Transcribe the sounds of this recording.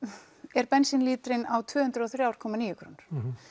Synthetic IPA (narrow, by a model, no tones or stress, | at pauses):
ɛɾpɛnsɪnliːt̪ɾɪnawt̪ʰvʏːhʏnt̪ɾɔθɾjaːwɾ̥kʰɔːmaniːjʏkʰɾo̰nɾ̥